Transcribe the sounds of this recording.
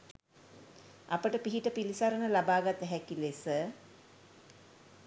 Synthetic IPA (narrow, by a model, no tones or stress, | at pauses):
apəʈəpiɦiʈəpilisaɾənəlabaːɡat̪ɦɛkilesə